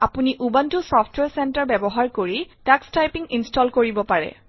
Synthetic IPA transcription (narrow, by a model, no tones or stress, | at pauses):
apuniʔubantʊsɔpʰtʰwɛɹsɛntaɹbɛbɔɦaɹkoɹitakstajpiŋinstɔlkoɹibɔpaɹɛ̰